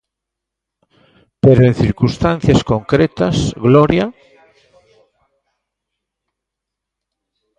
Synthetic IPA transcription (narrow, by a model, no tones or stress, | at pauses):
peɾoen̟θiɾkust̪anθjaskoŋkɾet̪asɣloɾja